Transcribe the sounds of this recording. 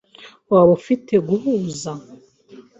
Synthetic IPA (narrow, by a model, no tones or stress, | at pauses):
waβofitʰe̞ɡuhuːza